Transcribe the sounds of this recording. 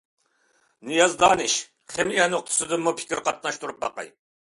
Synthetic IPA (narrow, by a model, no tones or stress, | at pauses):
nɨjɑzd̪ɑːnɨʃ | χɛmijɛnoq̚t̪ʰʊ̥sɨd̪ɨmːupʰɪ̥kʲɪɾqʰɑt̪̚nɑʃt̪uɾup̚bɑ̰qɑ̰j